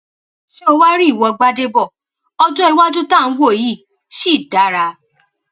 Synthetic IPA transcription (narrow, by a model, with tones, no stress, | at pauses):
ʃe˦wa˦ɾi˦˨wɔ˨˧ɡ͡ba˧de˧bɔ˦˨ | ɔ˦d͡ʒɔ˦i˧wa˦d͡ʒu˦tã˦˨˧wo˦˨ji˦˨ | ʃi˦˨da˨˦ɾa˧˦